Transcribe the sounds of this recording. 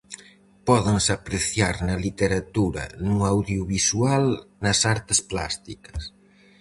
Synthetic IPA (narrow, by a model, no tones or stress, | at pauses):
pɔðeŋsapɾeθjaɾnɐlit̪eɾat̪uɾɐ̰nuuawðjuβisualnɐsaɾt̪ɪspla̰st̪ikɐ̥s